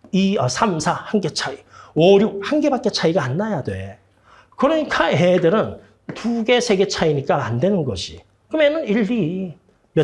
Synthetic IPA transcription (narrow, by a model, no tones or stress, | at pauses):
iʌsʰamsʰahaŋɡe̞t͡ɕʰaiʌɾjuk̚hanɡe̞bak͈̚e̞t͡ɕʰaiɡaːnːajadwe̞ | kɯɾʌɲikʰaɦe̞dɯɾɯn | tuɡe̞sʰe̞ɡe̞t͡ɕʰaiɲik͈aandwe̞nɯnɡʌɕʰi | kɯmenɯniɭːi | mjʌ